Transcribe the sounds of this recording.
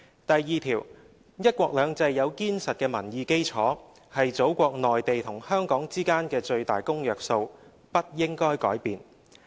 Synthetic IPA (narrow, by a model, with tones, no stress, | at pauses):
t̪ɐ˨jːiː˨t̪ʰiː˨˩w | jɐ˥t̚kʷɔː˧k̚lœː˨˧ŋt͡sɐ˧jːɐ˨˧wkiː˥nsɐ˨t̚kɛː˧mɐ˨˩njiː˨˧ke˥jt͡sʰɔː˨˥ | hɐ˨jt͡so˨˥wkʷɔː˧k̚nɔː˨jt̪e˨jt̪ʰʊ˨˩ŋhœː˥ŋkɔː˨˥ŋt͡siː˥kaː˥nkɛː˧t͡ʃɵ˧ɥt̪aː˨jkʊ˥ŋjœː˨k̚so˧w | pɐ˥t̚jɪ˥ŋkɔː˥jkɔː˨˥jpiː˨˧n